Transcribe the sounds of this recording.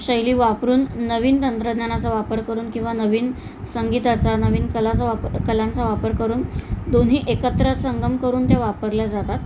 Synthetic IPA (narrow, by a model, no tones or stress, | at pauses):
ɕəjliːʋapɾuːnːəʋiːnt̪ənt̪ɾəd̪njanat͡saʋapəɾkəɾuːnkĩw̃ʋanəʋiːn | səŋɡit̪at͡sanəʋiːnkəlat͡saakəlãnt͡saʋapəɾkəɾuːnd̪onɦiːʔekət̪ɾat̪səŋɡəmkəɾuːnt̪jaʋapəɾljad͡zat̪at̪